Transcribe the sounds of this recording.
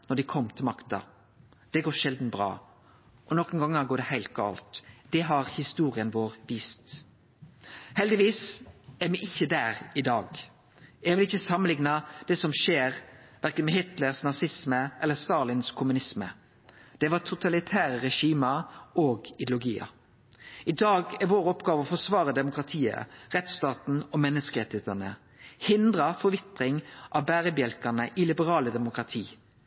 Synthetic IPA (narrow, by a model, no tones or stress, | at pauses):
nɔɖ̪ɪkʰɔmːt̪ʰɪlmɑkt̪ɑ̰ | d̪̥ɛɡoːʃɛld̪n̩bɾɑ̰ː | ʔɔnɔkən̩ɡɑŋːəɡoːɖɛhæɪlt̪̚ɡɑ̰ːlt̪d̪̥ɛɦɑʁhɪst̪uːʁɪənʋoːʁʋiːst̪ | hɛld̪ɪʋiːsæɾmɪʔɪçːəd̪æːɾɪd̪ɑːɡ | ɛɡʋɪlɪçəsɑmːənlɪŋnɑd̪̥ɛːsɔmʃeːɾʋæɾkənmɛhɪt̪ləɾsnɑsɪsməʔɛlːəst̪ɑːlɪnskʰʊmʉnɪsmə̰ | d̪̥ɛʋɑt̪ʰʊt̪ʰɑlɪt̪ʰæːʁəʁɛʃiːmɑoːɡɪd̪lʊɡiːɑ̰ | ɪd̪ɑːɡæʋoːɾɔpɡɑːʋəɔfɔsʋɑːʁəd̪ɛmʊkɾɑt̪ʰiːə̰ʁɛt̪st̪ɑːt̪n̩ɔmɛnːəskəɾɛt̪eːt̪ənə̰ | hɪnd̪ɾɑfɔɾʋɪt̪ʁɪŋʔɑʋbæːɾəbjɛlkənəʔɪlɪbəɾɑːləd̪ɛmʊkɾɑt̪ʰiː